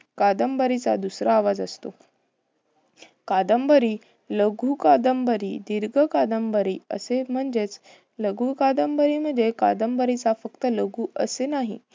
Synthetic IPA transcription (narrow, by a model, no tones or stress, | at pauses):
kad̪əmbəɾit͡sa̰d̪usɾaːʋad͡zəst̪o | kad̪əmbəɾi | ləɡʱuːkad̪əmbəɾid̪iɾɡʱəkad̪əmbəɾiːə̰sem̤əɳd͡zet͡s | ləɡʱukad̪əmbəɾim̤əɳd͡zeka̰d̪əmbəɾit͡safəkt̪ələɡʱuəsenaɦḭ